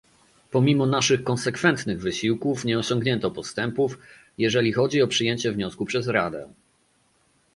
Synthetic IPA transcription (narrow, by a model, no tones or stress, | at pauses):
pɔmʲimɔnaʂɘxkɔnsɛkfɛnt̪nɘɣvɘɕiwkufɲɛɔɕɔŋɡɲɛnt̪ɔpɔst̪ɛmpuf | jɛʐɛlʲixɔd͡ʑiɔpʂɘjeɲt͡ɕɛvɲɔskupʂɛzɾad̪ɛ̰